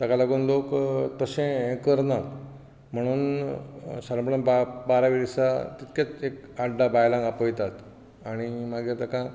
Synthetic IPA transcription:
t̪akalaɡuːnlokt̪əsẽkəɾnat | m̤əɽ̃uːn | saɾəmpɽənbabaɾaʋiɾisat̪it̪kat͡sekaɖːabajlãŋɡapəjt̪at̪ | aɽ̃imaɡet̪akã

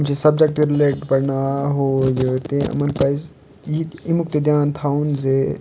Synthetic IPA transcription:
mt͡ʃesɐb̚d͡ʒek̚ʈiɾɪleːʈɖpɐɾnaːɦoːjet̪ẽɐ̰mɐnpɐiz | jiimuk̚t̪ed̪jaːnt̪ʰaːunze

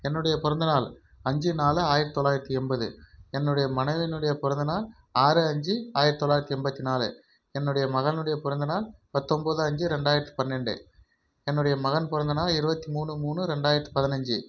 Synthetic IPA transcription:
ɛnːɯɽɐjɐpʊɾɐnd̪ɐnaːl | ɐɲd͡ʒɯnaːlɯaːjɪɾɐt̪t̪ːɔlːaːjɪɾɐt̪ːiɛmbɐðɯ̰ɛnːɯɽɐjɐmɐnɐɪʋɪnɯɽɐjɐpʊɾɐnd̪ɯɪnaːl | aːɾɯɐɲd͡ʒɯaːjɪɾt̪ːɔlːaːjɪɾɐt̪ːɯɛmbɐt̪ːinaːlɯ̰ | ɛnːɯɽɐjɐmɐɣɐlnɯɽɐjɐpʊɾɐnd̪ɐnaːlpɐt̪ːɔmbɐðɯɐɲd͡ʒɯɾɛɳɖaːjɪɾɐt̪ːɯ̥pɐðɪnɛɳɖɯ̰ | ɛnːɯɽɐjɐmɐɣɐnpʊɾɐnd̪ɯnaːlɪɾɯbɐt̪ːimuːɳɯmuːɳɯɾɛɳɖaːjɪɾɐt̪ːɯ̥pɐðɪnɐɲd͡ʒɯ

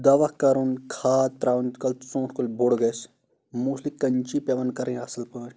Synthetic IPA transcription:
d̪ɐʋɐkɐɾunkʰaːt̪t̪ɾaːunkɐlt̪sõːʈkulʲbʱoɽɡɐs | muːslikːɐnt͡ʃiːpeʋɐnkɐɾẽːɐsɐlpɐː

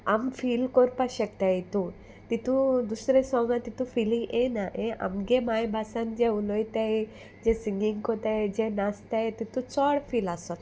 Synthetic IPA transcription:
amfiːlkɔɾpaɕəkt̪aet̪ũ | t̪it̪ũd̪usɾesɔŋɡãt̪it̪ũfilĩŋɡenaʔeʔa̰mɡemajbʱasãnd͡ʑeulɔjt̪ae | d͡ʑesiŋɡiŋɡkot̪aed͡ʑenast̪aet̪it̪ũt͡sɔɽfilasɔt̪

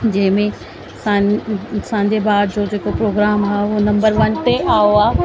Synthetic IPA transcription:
d͡ʑɐ̃ɦɪ̃mẽ | sãsãːɲd͡ʑebaːd̪d͡ʑoːd͡ʑeːkopɾoːɡɾaːmɦaːunɐ̃mbəɾʋɐnt̪eʔaːoaː

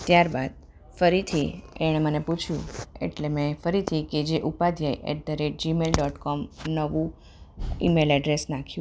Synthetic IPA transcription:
t̪jaɾbad̪̚ | fəɾit̪ʰieɽ̃eməneput͡ʃʰjṵ̃ḛʈlemɛ̃fəɾit̪ʰiked͡ʒeʔupad̪ʱjajʔɛ̰ʈ̚d̪əɾeʈ̚d͡ʒimelɖɔʈkɔmnəʋũ | ḭmelɛɖɾesnakʰjũ

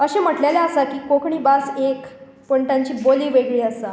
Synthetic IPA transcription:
əɕem̤əʈleljaəsakiːkokɳiːbasek | pəɳt̪jãɲt͡ɕiːboliːʋeɡɭiːəsa

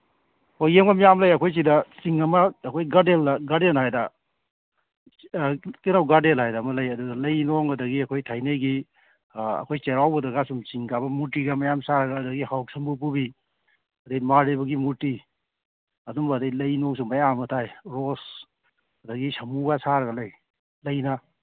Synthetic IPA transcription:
hojemɡɐmijamlɐjɐkʰojs̬idɐsiŋɐmɐːkʰojɡadelɡadenɦajdɐ | kinawɡadelhajdɐːmɐlɐjɐduɡɐlɐjnoŋɐdɐɡiɐkʰojtʰajnɐjɡi | ɐ̰kʰojt͡ʃeɾawbɐdɐɡasumsiŋkabɐmutiɡɐmɐjamsaɾɐɡɐːdɐɡihawk̚sɐmbup̬ubi | ɐdɐjmaɾebɐɡimuɾti | ɐdumbɐːdɐjlɐjnɔŋs̬umɐjamɐtʰajɾos | ɐdɐɡisɐmbuɡasaɾɐɡɐlɐj | lɐjnɐ

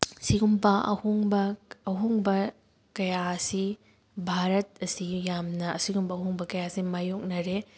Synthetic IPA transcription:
siɡumbɐʔɐ̰hoŋbɐːɦuŋbɐ | kɐjaɐsi | bʱaɾɐt̚ɐsijamnɐːsiɡumbɐːɦuŋbɐkɐjasimajok̚nɐɾe

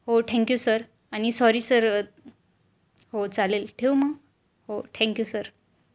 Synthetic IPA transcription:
hoʈʰɛ̃ŋkjusəɾ | añisɔɾiːsəɾ | hot͡salelʈʰeumə | hoʈʰɛ̃ŋkjusəɾ

